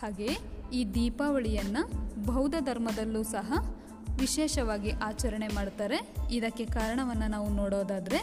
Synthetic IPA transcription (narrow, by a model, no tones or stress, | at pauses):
haːɡe̞iːd̪iːpaːʋɐɭijɐnːɐbʱɐwd̪ɐd̪ʱɐɾmɐd̪ɐlːuːsɐɦɐ | ʋiʃeːʃɐʋaːɡiʔaːt͡ʃɐɾɐɳe̞maːɖt̪aːɾe̞id̪ɐkːe̞kaːɾɐɳɐʋɐnːɐnaːʋunoːɽoːd̪aːd̪ɐɾe̞